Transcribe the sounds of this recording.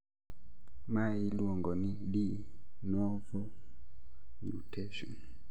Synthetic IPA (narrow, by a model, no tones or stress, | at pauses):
mailuɔŋɡɔniɗinɔvɔ | ɲutʰɛʃṵ